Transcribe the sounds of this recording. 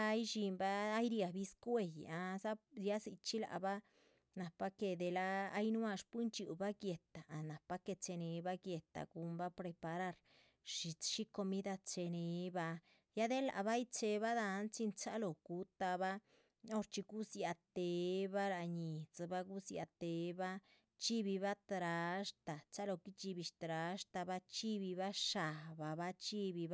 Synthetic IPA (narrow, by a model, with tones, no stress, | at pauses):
a˦jʃi˧mbaː˦jɾja˨bi˧˦skwe˧˨ja˧za˦ja˦si˧t͡ʃi˦la̰˨ba˦ | na˨pa˦ke˧d̪e˧laː˦jnwa˧ʂpu˦nt͡ʃu˨ba˦ɡje˨t̪a˨a˨na˨pa˦ke˧t͡ʃe˧ne˨ba˦ɡje˨t̪a̰˨ɡ̥u˧˦mba˦pɾe˧pa˧ɾa˦˧ɾ | ʃi˨t͡sʃi˦ko˧mi˦d̪a˧t͡ʃe˧ne˨ba˧ | ja˦d̪e˦la̰˨ba˦jt͡se˧βa˦d̪a˧nt͡si˧nt͡sa˦lo˨ku˨˦t̪a˧ba˦ | o˦ɾt͡ʃi˧ɡu˦sja˧t̪e˨ba˦ɾa˧ɲi˨t͡sba˦ɡu˦sja̰˧t̪e˨ba˦ | t͡ʃi˦bi˧βa˦t̪ɾa˨ʂt̪a˨t͡sa˦lo˧ki˦t͡ʃi˧bi˧ʃt̪ɾa˨˧ʂt̪a˧ba˦t͡ʃi˦bi˧βa˦ʃa˨ba˨ba˦t͡ʃi˦bi˧b